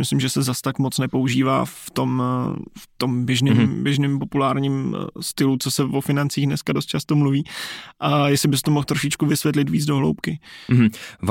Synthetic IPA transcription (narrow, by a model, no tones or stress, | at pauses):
mɪslimʒɛsɛzast̪akmo̞t͡snɛpo̞uʒiːva̰ːft̪o̞mft̪o̞mbjɛʒnɪːmbjɛʒnɪmpo̞pulaːɾɲiːmst̪ɪlut͡sosɛvofɪnant͡siːɣdnɛskadost̪̚t͡ʃast̪omluviːʔajɛsɪbɪst̪omoxt̪ɾo̞ʃɪt͡ʃkuvɪsvʲjɛt̪lɪt̪viːd͡zdo̞ɦlo̰wpkɪ